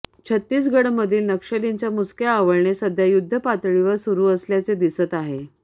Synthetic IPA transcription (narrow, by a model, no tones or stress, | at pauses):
t͡ɕʰət̪ːiːs̬ɡəɽməd̪ʱiːlnəkʂəliɲt͡ɕjamut͡skjaːʋəɭɳesəd̪ʱːjajud̪ʱːəpat̪ɭiʋəɾsuɾuːəsljat͡sed̪isət̪aɦe